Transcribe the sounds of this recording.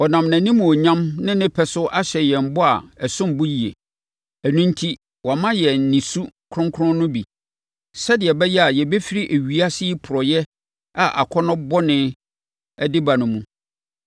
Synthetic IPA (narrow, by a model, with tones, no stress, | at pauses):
ɔ˨nã˨mnæ̃˨nĩ˦mũ˨ɔ˨ɲã˦mnɪ̃˦nɪ̃˦pʰɛ˨sʊ˦ʔa˦ɕɛ˨jɛ˨m̩˨bɔ˦a˨ɛ˨sʊ̃˦mbʊ˦ji˨ḛ˨ | æ˨nũ˦n˦tʰi˦ | wɔ˨mã˦jɛ˨n̩˨nĩ˨su˦kʰɾʊ̃˦ŋkʰʊ˦ɾʊ̃˦nʊ̃˦bi˨ | sɛ˦dɪ˨ɛ˨bɛ˦jɛ˦a˨jɛ˨be˦fi˦ɾi˦ʔe˨ɥi˨a˦sɪ˦i˦pʰʊ˨ɾɔ˨jɛ˦ | a˨ʔa̰˨kʰɔ˦nʊ̃˦bɔ˦nɪ̃˦ | ɛ˦dɪ˦ba˨nʊ̃˨mũ˨